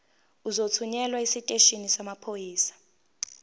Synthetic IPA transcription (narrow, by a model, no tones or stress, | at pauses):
uzot͡sʰuɲɛlwaisitʼeʃinisamapʰojiːsḁ